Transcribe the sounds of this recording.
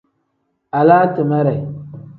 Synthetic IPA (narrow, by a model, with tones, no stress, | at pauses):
a˨laː˦tɨ˨ma˦ɾɛ˨